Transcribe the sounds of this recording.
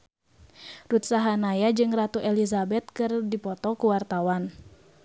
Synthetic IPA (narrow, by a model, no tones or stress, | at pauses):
rut̪̚saɦanajad͡ʒɨŋrat̪uʔɛlizabɛt̪̚kɨrdipɔt̪ɔkuwart̪awan